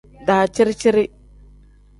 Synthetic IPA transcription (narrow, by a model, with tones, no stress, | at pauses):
da˨t͡ʃi˦ɾt͡ʃi˦ɾi˦